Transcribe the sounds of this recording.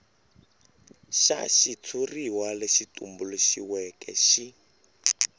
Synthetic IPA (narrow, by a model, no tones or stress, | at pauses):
ʃa̰ʃit͡sʰuriwaleʃitumbuluʃiwɛkɛ̰ʃi